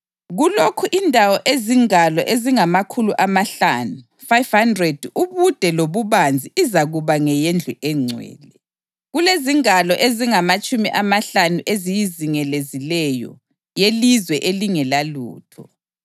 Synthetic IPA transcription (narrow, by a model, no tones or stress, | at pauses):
ɣulokʰuʔindʱawɔʔeziŋalɔ̰ʔeziŋamakʰuluʔamaɬanu | fajv̥handrɛd̥uβud̥ʱɛloβuβand͡zʱiizaɣuβaŋɛjɛnd͡ɮʱuʔɛŋ͡ǀʱwɛ̰ːlɛ | ɣuleziŋalɔʔeziŋamat͡ʃʼumiʔamaɬanuʔezijiziŋɛlezilɛjɔ̰ | jelizwɛʔeliŋɛlalṵːtʰɔ